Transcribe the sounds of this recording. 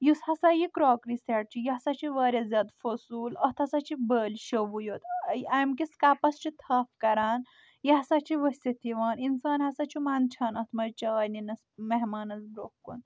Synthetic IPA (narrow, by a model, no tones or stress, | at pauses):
jushɐsajikɾɔːkɾiseʈ̚t͡ʃijiɦɐsat͡ʃʰiʋaːɾʲɐzʲaːd̪fosuːlɐht̪ʰɐsat͡ʃʰibəːlʃɐʋujot̪jamkiskaːpɐst͡ʃit̪ʰɐːfkɐɾaːn | jiɦɐsat͡ʃʰiʋɐsʲtɐt̪ʰiʋaːninsaːnɦɐsat͡ʃʰumaːnt͡ʃʰaːnɐt̪ʰmɐɾt͡ʃaːjninɐsmeɦmaːnɐzbɾohkṵn